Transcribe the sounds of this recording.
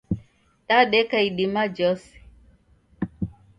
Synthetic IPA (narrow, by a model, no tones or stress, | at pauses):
taɗɛkaiɗimad͡ʒɔsi̥